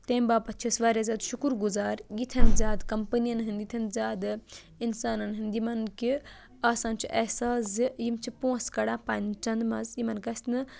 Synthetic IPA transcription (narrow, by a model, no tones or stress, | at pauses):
t̪ẽːmbaːpɐt̪ːt͡ʃʰisʋaːɾʲjazaːd̪ʃukuɾɡuzaːɾɡit̪ʰɐnzʲaːd̪kɐmpɨnijɐnɦind̪ɡit̪ʰɐnzʲaːd̪ɨ | insaːnɐnɦɨnd̪imɐnki | aːsãːnt͡ʃʰiʔɐhsaːszijimt͡ʃʰipõːskɐɽãːpaːnt͡ʃɐnd̪mɐzjimɐnkɐsʲt̪nɨ